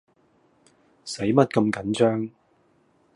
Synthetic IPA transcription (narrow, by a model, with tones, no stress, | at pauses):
se˨˥jmɐ˥t̚kɐ˧mkɐ˨˥nt͡ʃœː˥ŋ